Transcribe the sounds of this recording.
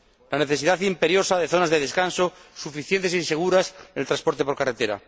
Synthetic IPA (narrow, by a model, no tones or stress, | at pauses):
lane̞θe̞siðaθimpe̞ɾjo̞saðeθo̞nazðeðe̞skanso̞sufiθjent̪e̞sinse̞ɣ̞uɾasnelt̪ɾaspo̞ɾt̪e̞po̞ɾkaret̪e̞ɾa̰